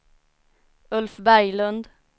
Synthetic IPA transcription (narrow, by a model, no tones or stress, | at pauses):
ʉlfbæɪlʉnd̪